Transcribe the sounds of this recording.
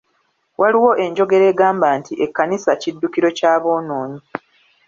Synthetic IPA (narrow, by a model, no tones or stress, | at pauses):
wʔaliwo̞ʔe̞ɲɟo̞ɡe̞ɾe̞ːɡaːmbaːntiʔe̞kːanisacidːukiɾo̞caːβo̞ːno̞ːɲi